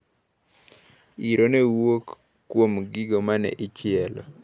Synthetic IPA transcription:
iɾʔonewokː | womɡɪɡomanɛ̰ʔɪt͡ʃɪɛlɔ̰

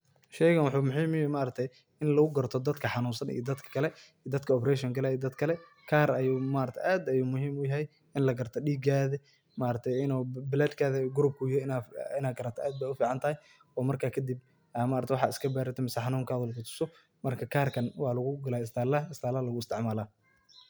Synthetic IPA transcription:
ʃɛjkɐnwʊħuːmʊħiːmʊjɛmaːɾɐt̪ʰɛj | ɪnlɐɣʊɡɐrt̪ʰɔd̪ɐd̪kʰɐħɑnuːnsɐnḭjd̪ɐd̪kʰɐ̥kʰɐlɛid̪ɐd̪kʰɐɔpɾɛʃɔŋkɐlɛiːd̪ɐd̪kʰɐlɛ | kʰaːrɐjumaːɾɐt̪ʰɛjʔaːd̪ɐjuːmʊhiːmʊjɐɦɛj | ɪnlɐɡɐrt̪ʰɔɗiːɡaːðɐ | maːɾɐt̪ʰɛjɪnɔːbɪlɛd̪kʰaːðɐɡʊɾʊb̚kʰʊjɪhɛnːɪnaːɡɐɾɐt̪ʰɛʔaːd̪̚baːʊfiːʕɑnt̪ʰɐhɛj | ɔːmɐrkʰaːkʰɐd̪ib̚ | maːɾɐt̪ʰɛwʊħɑ̰ːɪskʰɐbaːɾɪt̪ʰɔmɪsɐħɑnuːŋkʰaːðʊlkʰʊt̪ʰʊ̥sɔ | mɐrkʰɐkʰaːrkʰɐnwɑːlɐɣʊɡɐlaːɪst̪ʰaːlɐɪst̪ʰaːlɐlɐɣʊɪst̪ʰɪʕmaːlaː

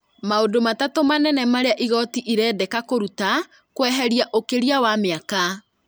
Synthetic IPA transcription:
maodomatatomanɛnɛmaɾeaʔiɣɔtiʔiɾɛːdɛkakoɾuta | kwɛɦɛɾjaʔokeɾiawameaka

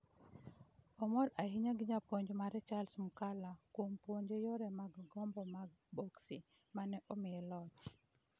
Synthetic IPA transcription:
ɔmɔɾahiɲaɡiɲapoɲd͡ʒomaɾɛt͡ʃalsmukalakwompoɲd͡ʒojɔɾɛmaɡɡɔmbɔmaɡ̚ | bɔksi | manɛʔɔmɪɛlɔt

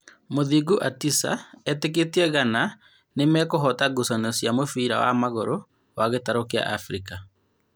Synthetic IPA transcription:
moðiɡuʔatisa̰ɛteketiɛɣana | nemɛkoɦɔtaɡosɔnɔsjamofiːɾa̰wa̰maɣoɾo | waɣetaɾokea̰ʔafɾika

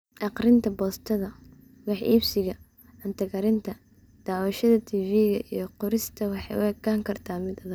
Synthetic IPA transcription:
ʔɑqrɪnt̪ʰɐbɔːst̪ʰɐðɐ | wɑħḭːbsɪɣɐ | ʕɐnt̪ʰɐɣɐɾɪnt̪ʰɐ | d̪̥aːwɐʃɐðɐt̪ʰiːfiːɣɐ̰ʔijɞqʊɾɪst̪ʰɐwɑħɑjʊ̰ɛkʰaːŋkʰɐrt̪ʰaːmɪd̪ɐðɐ

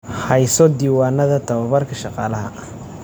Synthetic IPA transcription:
hɐjsɔd̪iːwaːnɐðɐt̪ʰɐβɐβɐrkʰɐʃɑqɑ̰ːlɐɦɐ

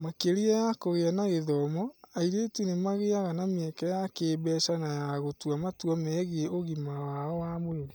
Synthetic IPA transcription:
makeɾiajakoɣeanaɣeðɔmɔaiɾetunemaɣeaɣanameɛkɛjakeːbɛʃanajaɣotuamatwɔmɛɣeoɣimawaɔwamweɾe

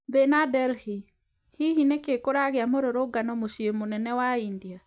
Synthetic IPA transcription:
bɛnadɛlhi | hihinekekoɾaɣeamoɾoɾoɡanɔmoʃiemonɛnɛwaindia

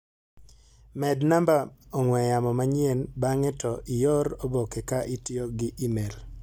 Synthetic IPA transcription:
mɛdnambaɔŋwɛjamɔmaɲɪenbaŋɛtɔʔɪjɔɾobokekaʔitjoɡɪʔimel

